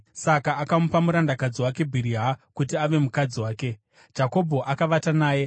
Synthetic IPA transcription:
sakaːkamupamuɾandakad͡ziwake̞bʱiɾiɦakutiaʋe̞mukad͡ziwaːke̞ | d͡ʒako̞bʱo̞ʔakaʋatanaːje̞

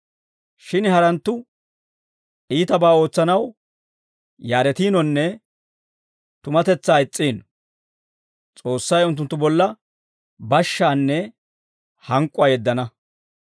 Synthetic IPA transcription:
ʃɪnhɐɾɐnt̪ːʊ | ʔiːt̪ɐbaːo̞ːt͡sːɐnɐw | jaːɾɛt̪iːnɔnːɛ | t̪ʊmɐt̪ɛt͡sːaːɪt͡sʼːiːn | t͡sʼo̞ːsːɐjʊnt̪ːʊnt̪ːʊbɔlːɐ | bɐʃːaːnːɛ | hɐŋkʼʊaːjɛd̪ːɐnɐ

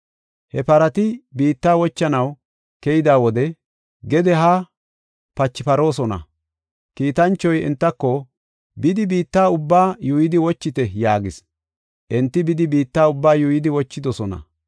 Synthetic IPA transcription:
hɛpɐɾɐt̪ɪbiːt̪ːaːwɔt͡ʃːɐnɐw | kɛjɪd̪aːwɔd̪ɛ | ɡɛd̪ɛɦa | pɐt͡ʃːɪpɐɾo̞ːsɔnɐ̰ | kiːt̪ɐnt͡ʃːɔjɛ̰nt̪ːɐkːɔ | bɪd̪ɪbiːt̪ːaːʊbːaːjuːjɪd̪ɪwɔt͡ʃːɪt̪ɛjaːɡɪs | ʔɛnt̪ːɪbɪd̪ɪbiːt̪ːaːʊbːaːjuːjɪd̪ɪwɔt͡ʃːɪd̪ɔsɔnɐ̰

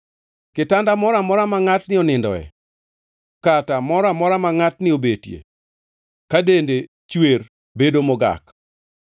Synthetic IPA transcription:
kɪtandamɔɾamɔɾamaŋatnɪɔnɪndɔ̰ɛ̰ | katamɔɾamɔɾamaŋatnɪobetjḛ | kadende | t͡ʃwer | bedomɔɡa̰k

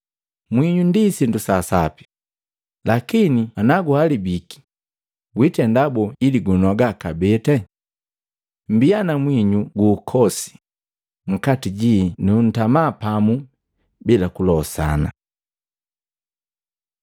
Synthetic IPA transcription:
mwiɲundisindusasapi̥ | lakinianaɡualibiki̥ | witɛndabɔiliɡunɔɡakabɛtɛ | m̩bianamwiɲuɡuːkʰɔsi̥ | m̩katiɟinun̩tamaːpamu | bilakulɔsa̰na̰

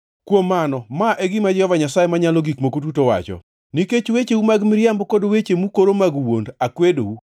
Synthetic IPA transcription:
kwomːanɔmaʔeɡɪmad͡ʒɔvaɲasajemaɲalɔɡikmokut̬utowa̰t͡ʃɔ̰ | niket͡ʃwet͡ʃeumaɡmɪɾjambɔkodwet͡ʃemukoɾomaɡwondakwedowu

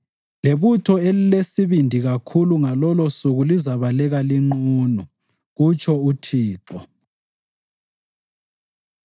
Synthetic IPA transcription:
leβutʰɔelilesiβindʱiɣakʰuluŋalɔlɔsuɣulizaβalɛɣaliŋ͡ǃuːnu | ɣut͡ʃʰʼɔutʰiːǁɔ

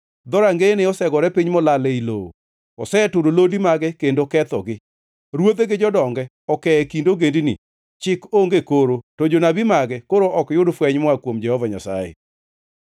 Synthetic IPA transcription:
d̪ɔɾaŋɡeneɔsɛɡɔɾɛpiɲmɔlalɛilo̰o̰ | ɔsɛtʊɾolodimaɡɛkendokɛt̪ɔɡɪ | ɾwod̪eɡɪd͡ʒɔdɔŋɡɛ | ɔkɛɛkindoɡendinḭ | t͡ʃɪkoŋɡekoɾotod͡ʒonabimaɡɛkoɾoʔɔkjʊdfwɛɲmwakwomd͡ʒɛhɔvaɲa̰sa̰jḛ

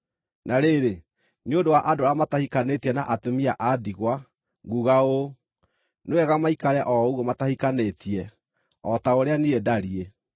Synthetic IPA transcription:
nʔaɾeɾe | ɲodowaʔadoɾamatahikanetiɛnaʔatomiaʔadiɣwa | ɣuɣao | newɛɣamaikaɾɛʔɔuɣɔmatahikanetiɛ | ɔtaoɾeaniedaɾie

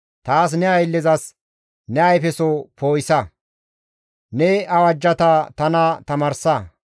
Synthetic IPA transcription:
t̪aːs̬nɛɐjlːɛzɐs | nɛɐjfɛsɔpoːjsɐ | nɛɐwɐd͡ʒːɐt̪ɐt̪ɐnɐt̪ɐmɐɾsɐ

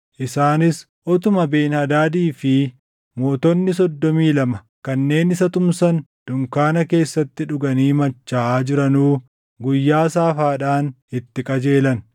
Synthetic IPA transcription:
ʔɪsaːnɪs | ʔɔt̪ʊmɐbeːnhɐd̪aːd̪iːfɪ | mo̞ːt̪ɔnːɪs̬ɔd̪ːɔmiːlɐmɐ | kɐnːe̞ːnɪsɐt̪ʊmsɐnd̪̥ʊŋkaːnɐke̞ːsːɐt̪ːɪᶑʊɡɐniːmɐt͡ʃːaːaːd͡ʒɪɾɐnuː | ɡʊjːaːsaːfaːᶑaːn | ɪt̪ːɪkʼɐd͡ʒe̞ːlɐn

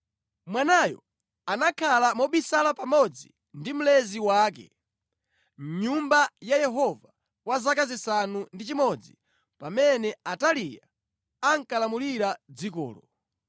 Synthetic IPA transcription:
mwanajɔ̰ | anakʰalamɔɓisalapamɔd͡zi | ndim̩lɛziwaːk̬ɛ̰ | m̩ɲumbajajɛɦɔva | wazakazisanundit͡ʃimɔd͡zḭ | pamɛnɛatalija | aŋkalamuliɾad͡zikɔ̰ːlɔ

